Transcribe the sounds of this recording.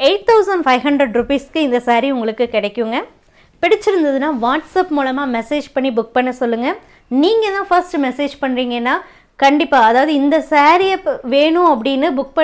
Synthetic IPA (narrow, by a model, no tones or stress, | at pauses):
eːʈ̚t̪ʰɐʊsɐɳɖfɐɪɦɐɳɖɾɐɖɾʊpiːskɯɪnd̪ɐsaːɾiʊŋɡɐɭɯkːɯkɪɽɛkːɯŋɡɐ | pɪɽɪt͡ʃːɪɾɯnd̪ɐðɯnaːʋaːʈsɐpmuːlɐmaːmɛseːd͡ʒpɐɳːibʊk̚pɐɳːɯsɔlːɯŋɡɐ | niːŋɡɐtðãːfɐɾsʈɯmɛseːd͡ʒpɐɳɾiːŋɡɐnːaː | kɐɳɖɪpːaːɐðaːʋɐðɯɪnd̪ɐsaːɾijɐʋeːɳʊ̃ɐp̬ːɐɽɪnːɯbʊk̚pɐ